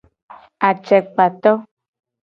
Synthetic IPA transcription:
a˨t͡ʃɛ˨k͡pa˨t̪ɔ˦

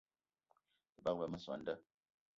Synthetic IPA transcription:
ə˨ba˦k̚bə˨mə˦sɔ̰˨n̩˦də˦

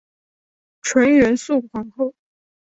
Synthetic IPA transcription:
ʈ͡ʂʰwə˧˥nɥə˧˥nsu˥˩kʰwɑ˧˥ŋxo˥˩ʊ

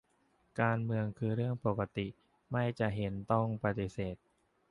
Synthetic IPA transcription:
kaː˧nmɯ˧əŋkʰɯː˧ɾɯ˥˩əŋpo˨˩ka˧t̪i˨˩ | ma˥˩jt͡ɕa˨˩ʔɦe˩˦nt̪ɔ˥˩ŋpa˧t̪i˨˩seː˨˩t̪̚

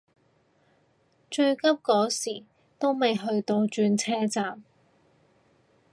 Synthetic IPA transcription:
t͡ʃɵ˧ɥkɐ˥p̚kɔː˨˥siː˨˩ | t̪o˥wmɐ˨jɦɵ˧ɥt̪o˧wt͡ʃyː˧nt͡sʰɛː˥t͡saː˨m

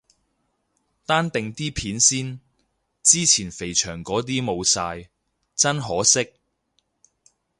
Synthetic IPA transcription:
t̪aː˥nt̪ɪ˨ŋt̪iː˥pʰiː˨˥nsiː˥n | t͡siː˥t͡sʰiː˨˩nfe˨˩jt͡ʃʰœː˨˩ŋkɔː˨˥t̪̬iː˥mo˨˧wsaː˧j | t͡sɐ˥nɦɔː˨˥sɪ˥k̚

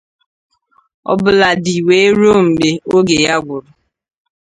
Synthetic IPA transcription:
ɔ̰˦bʊ˦la˨di˨we˨e˦ɾo˦m̩˨ɡ͡be˨o˦ɡe˨ja˦ɡʷʊ˨ɾʊ˨

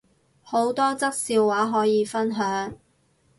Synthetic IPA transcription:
ho˨˥wt̪ɔː˥t͡sɐ˥k̚siː˧wːaː˨˥ɦɔː˨˥jiː˨˧fɐ˥nɦœː˨˥ŋ

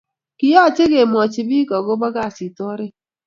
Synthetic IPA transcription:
ki˨jɔ˦˨t͡ʃe˦ɡe˨m˨ɔ˨t͡ʃɪ˨bi˦kɔ˨ɡʊ˦ba˦ɡa˦˨si˨tɔ˦ɾɪ˦

